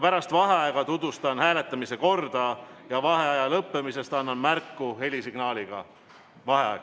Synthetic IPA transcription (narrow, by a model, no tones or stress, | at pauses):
pæɾɑst̪vɑɦeɑeɡ̥ɑt̪ud̪vust̪ɑnhæːle̞t̪ːˑɑmise̞ko̞rd̪̥ɑjɑvɑɦe̞ɑjɑlɤpːe̞mise̞st̪ɑnːɑnmærkːuhe̞lʲisiɡ̥nɑːlʲiɡ̥ɑ | vɑɦeɑ̰eɡ